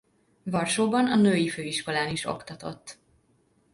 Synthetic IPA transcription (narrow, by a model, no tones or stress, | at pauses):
vɒrʃoːbɒnɒnøːjiføːiʃko̞laːniʃo̞̰kt̪ɒt̪o̞̰t̪ː